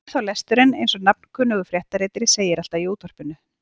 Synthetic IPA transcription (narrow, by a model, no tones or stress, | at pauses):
θawlɛst̪ʏɾɪnejnsɔnap̚n̥kʰʏːnːʏɣʏfɾjɛht̪aɾeːjt̪ɪɾɪseːjɪɾal̥t̪aiuːt̪ʰɔr̥pɪnʏ